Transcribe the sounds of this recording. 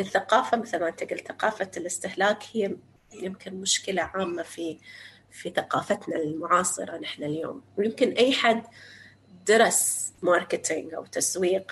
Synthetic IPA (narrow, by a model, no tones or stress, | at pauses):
ʔɪθːaqɑːfamaθalmant̪aɡɪlθaqɑːfalɪst̪ɪhlaːkhɪjː | jɪmkɪnmʊʃkɪlaʕaːmːafi | fiθaqɑːfat̪nalmʊʕɑːsˤɨ̰ɾˤɑnɪħnaljo̰ːmwjɪmkɪnʔajːħad̪ː | d̪ɑɾˤɑsmɑːɾˤkɪt̪ʰɪŋɡʔa̰wt̪aswiːq